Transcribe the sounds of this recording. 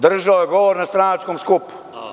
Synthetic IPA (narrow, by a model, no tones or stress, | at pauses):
d̪r̩ʒaojeɡoʋoɾnast̪ɾanat͡ʃkomskupu̥